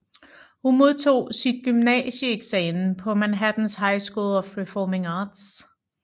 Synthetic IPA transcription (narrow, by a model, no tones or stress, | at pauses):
hunmo̝ð̞ˠt͡sʰo̝̰ːsid̥̚ɡ̥ymnɛ̰səeɡ̥sɛːmpʰɒ̽mænɦæd̥n̩sɦɑ̈ɪsɡ̥uːlɒfʁɛfɒːme̝ŋɑːd̥s